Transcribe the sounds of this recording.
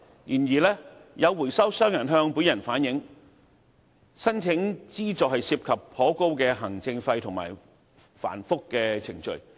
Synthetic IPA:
jiː˨˩njiː˨˩lɛː˥jʔɐ˨˧wwuː˨˩jsɐ˥wsœː˥ŋjɐ˨˩nɦœː˧ŋpuː˨˥njɐ˨˩nfaː˨˥njɪ˨˥ŋ | sɐ˥nt͡sʰɪ˨˥ŋt͡siː˥t͡sɔː˨˩hɐ˨jsiː˧p̚kʰɐ˨pʰːɔː˨˥ko˥wkɛː˧ɦɐ˨˩ŋt͡sɪ˧ŋfɐ˧jt̪ʰʊ˨˩ŋma̰ː˨˩j | fa̰ː˨˩nfʊ˥kːɛː˧t͡sʰɪ˨˩ŋt͡ʃɵ̰˨ɥ

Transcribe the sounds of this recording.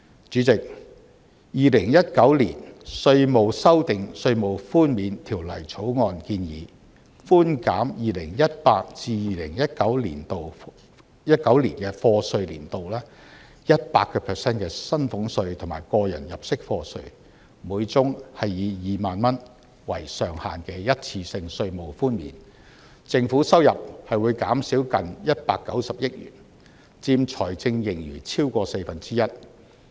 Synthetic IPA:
t͡ʃyː˨˥t͡sɪ˨k̚ | jiː˨lɪ˨˩ŋjɐ˥t̚kɐ˨˥wlḭː˨˩nsɵ˧ɥmo˨˧wsɐ˥wt̪ɪ˨ŋsɵ˧ɥmo˨wfuː˥nmiː˨˧nt̪ʰiː˨˩wlɐ̰˨˩jt͡sʰo˨˥wŋɔː˧nkiː˧njiː˨˥ | fuː˥nkaː˨˥mjiː˨lɪ˨˩ŋjɐ˥t̚paː˧k̚t͡siː˧jiː˨˩lɪ˨˩ŋjɐ˥t̚kɐ˨˥wlḭː˨˩nt̪o˨w | jɐ˥t̚kɐ˨˥wliː˨˩nkɛː˧fɔː˧sɵ˧ɥlḭː˨˩nt̪o˨wlɛː˥ | jɐ˥t̚pa̰ː˧kːɔː˧pʰɛː˨sɛː˥nkɛː˧sɐ˥nfʊ˨˥ŋsɵ˧ɥt̪ʰʊ˨˩ŋma̰ː˨˩jkɔː˧jɐ˨˩njɐ˨p̚sɪ˥k̚fɔː˧sɵ̰˧ɥ | muː˨˧˥jt͡sʊ˥ŋhɐ˨jːiː˨˧jiː˨maː˨nmɐ˥n | wɐ̰˨˩jsœː˨ŋha̰ː˨nkɛː˧jɐ˥t̚t͡sʰiː˧sɪ˧ŋsɵ˧ɥmo˨wfuː˥nmḭː˨˩n | t͡sɪ˧ŋfuː˨˥sɐ˥wjɐ˨p̚hɐ˨jwu˨˧jkaː˨˥msi˨˥wkɐ˨njɐ˥t̚paː˧kːɐ˨˥wsɐ˨p̚jɪ˥k̚jy̰ː˨˩n | t͡siː˧mt͡ʃʰɔː˨˩jt͡sɪ˧ŋjɪ˨˩ŋjyː˨˩t͡sʰiː˥wkɔː˧se˧fɐ˨nt͡siː˥jɐ˥t̚

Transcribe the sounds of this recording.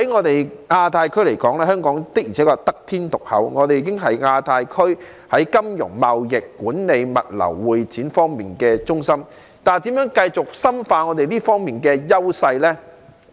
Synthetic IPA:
hɐ˨˥jŋɔː˨˧t̪e˨jŋaː˧t̪ʰaː˧jkʰɵ˥ɥle˨˩jkɔː˨˥ŋlɛː˥hœː˥ŋkɔː˨˥ŋt̪ɪ˥k̚ji˨˩ɛː˨˥kɔː˧t̪ɐ˥k̚t̪ʰiː˥nt̪ʊ˨k̚hɐ̰˨˥wŋɔː˨˧e˨jiː˨˧kɪ˥ŋɦɐ˨jŋaː˧t̪ʰaː˧jkʰɵ˥ɥ | hɐ˨˥jkɐ˥mjʊ̰˨˩ŋmɐ˨wjɪ˨kːuː˨˥nne˨˧jmɐ̰˨t̚lɐ̰˨˩wːuː˨jt͡siː˨˥nfɔː˥ŋmiː˨˩nkɛː˧t͡sʊ˥ŋsɐ˥m | t̪aː˨˩nt̪i˨˥mjœː˨˥ŋkɐ˧jt͡sʊ˨k̚sɐ˥mfaː˧ŋɔː˨˧t̪e˨jliː˥fɔː˥ŋmiː˨˩nkɛː˧jɐ˥wsɐ˧jlɛː˥

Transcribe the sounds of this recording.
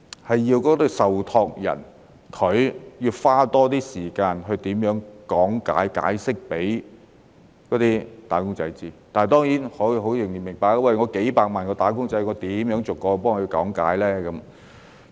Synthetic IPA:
hɐ˨jːiː˧wkɔː˨˥t̪ɵ˨˧sɐ˨wt̪ʰɔː˧k̚jɐ̰˨˩n | kʰɵ˨˧ɥjiː˧wfaː˥t̪ɔː˥t̪iː˥siː˨˩kaː˧nɦɵ˧ɥt̪iː˨˥mjœː˨˥ŋkɔː˨˥ŋka̰ː˨˥jka̰ː˨˥jsɪ˥k̚pe˨˥j | kɔː˨˥t̪iː˥t̪aː˨˥kʊ˥ŋt͡sɐ˨˧jt͡siː˥t̪aː˨nht̪ɔː˥ŋjiː˨˥nhɔ˨˥˨ɦo˨˥wjʊ˨˩ŋji˨˩nmɪ˨˩ŋpaː˨kːa˧wɐ˨jŋɔː˨˧ke˨˥jpaː˧k̚maː˨˩nkɔː˧t̪aː˨˥kʊ˥ŋt͡sɐ˨˥jŋɔː˨˧t̪iː˨˥mjœː˨˥ŋt͡so˨wkːɔː˧pɔː˥ŋɵ˨˧kɔ̰ː˨˥ŋka̰ː˨˥jlɛː˥kɐ˨˦m

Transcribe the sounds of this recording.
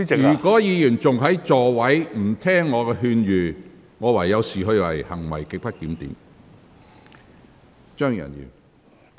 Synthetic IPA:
jyː˨˩kɔː˨˥jiː˨˧jyː˨˩nt͡sʊ˨ŋɦɐ˨˥jt͡sɔː˨wɐ˨˥jm̩˨˩t̪ʰɛː˥ŋːɔː˨˧kɛː˧ɦyː˧njyː˨ | ŋɔː˨˧wɐ˨˩jːɐ˨˧wsiː˨˩ɦɵ˧ɥwɐ̰˨˩jhɐ˨˩ŋwɐ̰˨˩jkɪ˨k̚pɐ˥t̚t̪iː˨˥mt̪ḭː˨˥m | t͡ʃœː˥ŋjɐ̰˨˩njy̰ː˨˩

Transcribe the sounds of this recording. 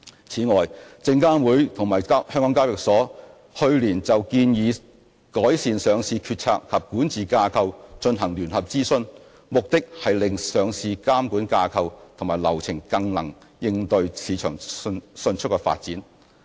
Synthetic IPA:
t͡sʰiː˨˥ŋɔː˨jt͡sɪ˧ŋkaː˥wuː˨˥jt̪ʰʊ˨˩ŋmaː˨˩ja˥hœː˥ŋkɔː˨˥kaː˥wjɪ˨˩k̚sɔː˨˥ | hɵ˧ɥliː˨˩nt͡sɐ˨wkiː˧njiː˨˧ | kɔː˨˥jsiː˨nsœː˨˧ŋsiː˧kʰyː˧t̚t͡sʰa̰ː˧k̚kʰɐ˨p̚kuː˨˥nt͡siː˨kaː˧kʰɐ˧wt͡ʃɵ˧nɦɐ˨˩ŋlyː˨˩nhɐ˨p̚t͡siː˥sɵ˧n | mʊ˨k̚t̪ɪ˥k̚hɐ˨jlɪ˨ŋsœː˨ŋsiː˧kaː˥mkuː˨˥nkaː˧kʰɐ˧wt̪ʰʊ˨˩ŋmaː˨jlɐ̰˨˩wt͡sʰɪ˨˩ŋkɐ˧ŋlɐ̰˨˩ŋjɪ˧ŋt̪ɵ˧ɥsʰiː˨˥t͡ʃʰœː˨˩ŋsɵ˧nt͡ʃʰtkɛː˧fa̰ː˧t̚t͡siː˨˥n

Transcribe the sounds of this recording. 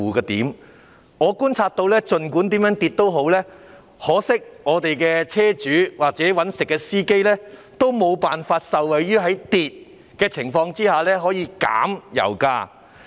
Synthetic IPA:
uː˨kaː˧t̪iː˨˥m | ŋɔː˨˧kuː˥nt͡sʰaː˧t̚t̪o˧wlɛː˥t͡ʃɵ˨nkuː˨˥nt̪iː˨˥mjœː˨˥ŋt̪i˧t̚t̪o˥wɦo˨˥wlɛː˥ | hɔː˨˥sɪ˥k̚ŋɔː˨˧t̪e˨jkɛː˧t͡sʰɛː˥t͡ʃyː˨˥waː˨k̚t͡sɛː˨˥wɐ˨˥nsɪ˨kːɛː˧siː˥ke˥jlɛː˥ | t̪o˥wmo˨˧wpaː˨nfaː˧t̚sɐ˨wɐ˨jɥyː˥ɦɐ˨˥jt̪iː˨t̚ | kɛː˧t͡sʰɪ˨˩ŋfɔː˧ŋt͡siː˥haː˨lɛː˥ɦɔː˨˥jiː˨˧ka̰ː˨˥mjɐ̰˨˩wkaː˧

